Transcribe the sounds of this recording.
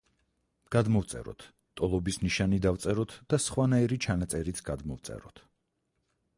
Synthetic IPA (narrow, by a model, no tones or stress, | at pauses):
ɡ̥ad̪mɔvt̪sʼɛ̰ɾɔ̰t̪ʰ | t̪ʼɔlˠɔbisniʃanid̪avt̪sʼɛɾɔt̪ʰd̪̥asχwanaiɾit͡ʃʰanat̪sʼɛɾit̪sʰɡ̥ad̪mɔvt̪sʼɛ̰ɾɔt̪ʰ